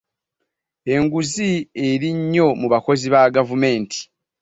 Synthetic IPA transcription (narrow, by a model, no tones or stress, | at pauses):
e̞ŋɡuzie̞ɾiɲːo̞muβako̞ziβaɡavume̞ːntʰi̥